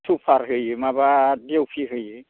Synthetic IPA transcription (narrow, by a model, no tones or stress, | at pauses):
tʰupʰaɾɦɯjɯmabadewpʰiɦɯjɯ